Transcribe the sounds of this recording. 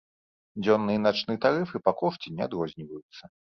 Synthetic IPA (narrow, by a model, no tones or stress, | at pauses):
d͡zʲɔnːɨjɐnat͡ʂnɨjɐt̪aɾɨfɨpɐkɔʂt͡sʲinʲɛad̪ɾɔzʲnʲivɐjut̪sːɐ